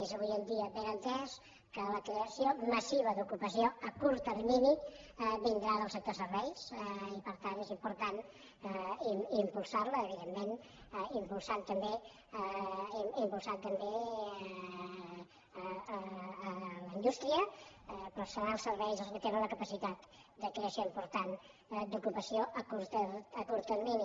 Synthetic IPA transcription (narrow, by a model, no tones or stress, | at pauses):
ezəβujənd̪iəβeɾənt̪ɛs | kələkɾeəsioməsiβəðukupəsioəkuɾt̪ərminiβind̪ɾaðəlˠsək̚t̪osəɾβɛjsipəɾt̪anezimpuɾt̪an | iimpulˠsaɾləːβiðemːen | impulˠsant̪əmbe | iimpulˠsant̪əmbe | ləind̪ust̪ɾiəpəsənalˠsəɾβɛjzəlˠskət̪enənləkəpəsit̪at̪ | d̪əkɾesjoimpuɾt̪an | d̪ukupəsioʔəkuɾt̪əəkuɾt̪ərmini